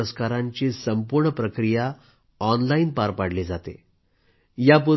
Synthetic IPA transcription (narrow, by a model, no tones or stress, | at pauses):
əskaɾaɲt͡ɕesəmpuɾɳəpɾəkɾija | ɔnlainpaɾpaɽ̤led͡zat̪ḛ | jap̬uɾ